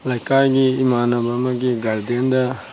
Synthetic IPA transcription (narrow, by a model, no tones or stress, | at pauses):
lɐjkaːɡiimaːnɐbɐmɐɡiɡɐɭd̪end̪ɐ